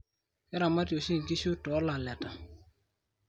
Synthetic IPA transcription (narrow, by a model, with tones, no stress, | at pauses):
ɛ˦ɾa˨ma˦tjo˨ʃi˦˨ŋki˦ʃu˦tɔ˨˦la˨lɛ˨ta˨